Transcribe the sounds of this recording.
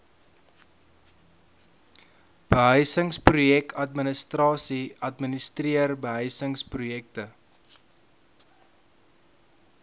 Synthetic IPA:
b̥əɦœɥsəŋsprujɛkɐtmənəstrɑːsiɐtmənəstriərbəɦœɥsəŋsprujɛk̚tə

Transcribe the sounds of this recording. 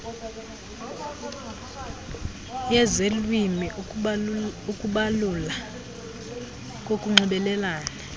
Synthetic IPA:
jɛzelwimi | ukʼuɓalula | k̬ʼokʼuŋ͡ǀuɓɛlɛlaːna

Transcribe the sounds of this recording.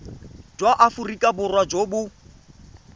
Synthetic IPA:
d͡ʒwaʔafurikʼabʊrwad͡ʒobʊ

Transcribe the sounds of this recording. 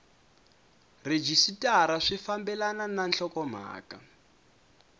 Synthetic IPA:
red͡ʒisitʼaɾaʂifambɛlanananɬɔkɔm̤a̰ːka

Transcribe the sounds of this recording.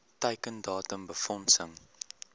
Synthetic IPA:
təjkəndɑːtəmbəfɔnsəŋ

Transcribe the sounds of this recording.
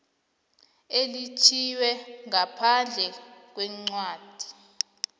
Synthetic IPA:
elit͡ʃʰiwɛŋapʰand͡ɮʱɛk̬wɛŋ͡ǀwaːd̥ʱi̥

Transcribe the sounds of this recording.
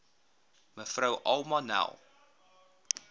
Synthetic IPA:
məfrəwʔɐ̰lˠmɐnæ̰lˠ

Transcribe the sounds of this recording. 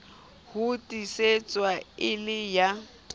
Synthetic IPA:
hʊtʼiset͡sʼwaɪlɪja

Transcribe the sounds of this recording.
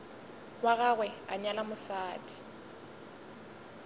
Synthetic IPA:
waɣaɣwɛaɲalamʊsaːtʼi̥

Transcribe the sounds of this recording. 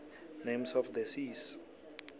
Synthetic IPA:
nemsɔfd̪ɛsis

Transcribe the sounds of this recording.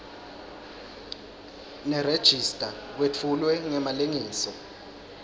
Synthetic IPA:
nɛred̥ʒ̥ʱistʼak̬wet͡fʰulwɛŋɛmaleŋiːsɔ

